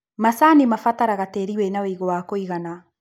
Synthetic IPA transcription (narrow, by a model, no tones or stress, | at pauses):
masanimafataɾaɣateːɾiwɛnaweiɣɔwakoiɣana